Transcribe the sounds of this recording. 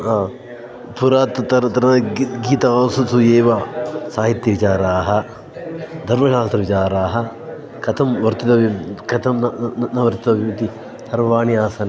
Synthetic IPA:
ɦaː | pʰuɾaːt̪ɐɾt̪ɐnɐɡiːt̪ɐɐsusueːʋɐsaːɦit̪jɐʋit͡ʃaːɾaːɦɐ̆ | d̪ʱɐɾmɐʃaːst̪ɾɐʋit͡ʃaːɾaːɦɐ̆ | kɐt̪ʰɐmʋɐɾt̪it̪ɐbkɐt̪ʰɐmnnɐʋɐɾt̪it̪ɐbʱiɐt̪i | hɐɾʋɐʋaːniaːsɐːn

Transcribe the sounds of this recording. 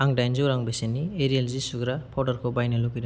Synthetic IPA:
aŋdajnzuwɾaŋbesenieɾielzisuɡɾapʰawdɐɾkʰɔbajnɐloɡiɾa

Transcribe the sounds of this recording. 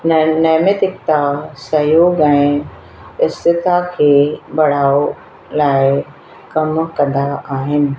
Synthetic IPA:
nnɐːmət̪ɪkt̪asɐjoːɡɛ̃ːɪ | ɪst̪ɪt̪akʰeːbɐɽ̤aːo | laːɪ | kɐmkɐ̃nd̪aaːɦɪnɪ̆

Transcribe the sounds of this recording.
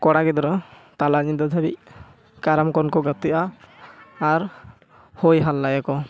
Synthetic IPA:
kɔɽaɡɛd̪ɔɾɔt̪alaɲid̪ɔd̪ʱabḭʔ̚ | kaɾamkɔnkɔɡat̪iʔaː | ɾ | hojɦalːajakɔ

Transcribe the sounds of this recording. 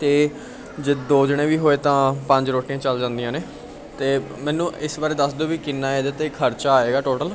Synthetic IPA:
t̪eː | d͡ʒeːd̪oːd͡ʒɪɽ̃ẽːʋiːɦoːeːt̪ãːpə̃ɲd͡ʒɾoːʈiãːt͡ʃəld͡ʒãːnd̪ijãːneː | t̪eː | mɛ̃ːnũːɪsʋaːɾeːd̪əsd̪oːʋiːkɪnːaːeːd̪eːt̪eːkʰəɾt͡ʃaːaːeːɡaːʈoːʈəl

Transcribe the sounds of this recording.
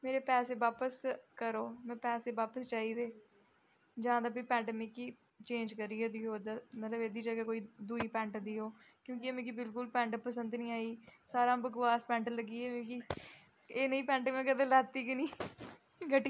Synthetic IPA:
meːɾeːpɛːseːbaːpəskəɾoːmɛ̃ːpɛːseːʋaːpəst͡ʃaːiːd̪eː | d͡ʒãːd̪aːbiːpɛ̃ːɳɖmɪkːiː | t͡ʃẽːnd͡ʒkəɾiːɛːd̪iːɦoːd̪aːmət̪ləbeːd̪iːd͡ʒəɡaːkoːiːd̪uːiːpɛ̃ːɳʈd̪iːɦoːkjõːkɪemẽːkibɪlkʊlpɛ̃ːɳʈpəsənd̪nĩːaːiːsaːɾãːbəkʋaːspɛ̃ːɳʈləɡiːɛːmẽːki | eːnəĩːpɛ̃ːɳʈːmɛ̃ːkəd̪ẽːlaːt̪iːkɪnĩː | ɡəʈː

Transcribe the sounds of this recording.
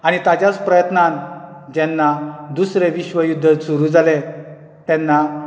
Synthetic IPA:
añit̪ad͡ʑjat͡spɾəjət̪nãn | d͡ʑɛnːad̪usɾeʋiɕʋəjud̪ʱːəsuɾuːd͡zale | t̪ɛ̃nːa

